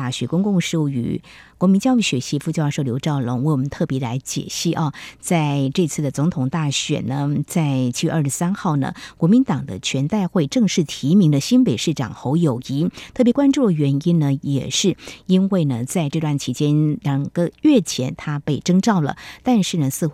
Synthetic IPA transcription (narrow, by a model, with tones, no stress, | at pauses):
a˥˩ɕɥɛ˧˥kʊ˥ŋkʊ˥˧ŋʂ̩˥˩y̰˧˩ | kwɔ˧˥mi˧˥nt͡ɕjɑ˥ʊy˥˩ɕɥɛ˧˥ɕi˥˧fu˥˧t͡ɕjʂo˥˩ʊljo˧˥ʊʈ͡ʂɑ˥˩ʊlə̰˧˥ŋwɪwɔ˨˩mə˧˦nt̪ʰɤ˥˩pjɛ˧˥la˧˥ɪt͡ɕjɛ̰˨˩ɕi˥˩ʔɐ˧˩t͡sa˥˧ɪʈ͡ʂɤ˥˧t͡sʰɹ̩˥˩d̪ə˩t͡sʊ˧˥ŋt̪ʰʊ˨˩ŋt̪a˥˩ɕɥɛ̰˨˩nə˦t͡sa˥˧ɪt͡ɕʰi˥ɥɛ̰˧˥ʔə˞˥˩ʂɻ̩˥˧sa˥nxɑ˥˩ʊnə̰˩kwɔ˧˥mi˧˥nt̪ɑ˨˩ŋd̪ə̰˦t͡ɕʰɥɛ˧˥nt̪a˥˧ɪxwe˥˧ɪʈ͡ʂɤ˥˧ŋʂɻ̩˥˩t̪ʰi˧˥mi˧˥ŋd̪ə˧ɕi˥npe˨˩ɪʂɻ̩˥˩ʈ͡ʂɑ̰˨˩ŋxo˧˥ʊjo˨˩ʊi˧˥t̪ʰɤ˥˩pjɛ˧˥kwa˥nʈ͡ʂu˥˩d̪ə˩ɥɛ˧˥ni˥nnə˨jɛ̰˨˩ʂɻ̩˥˩i˥nwe˥˩ɪnə˩t͡sa˥˧ɪʈ͡ʂɤ˥˧t̪wa˥˩nt͡ɕʰi˧˥t͡ɕjɛ˥nljɑ˨˩ŋɡə˦ɥɛ˥˩t͡ɕʰjɛ˧˥nt̪ʰa˥pe˥˩ɪʈ͡ʂɤ˥ŋʈ͡ʂɑ˥˩ʊlə̰˩t̪a˥˧nʂɻ̩˥˩nə˩sɹ̩˥˧x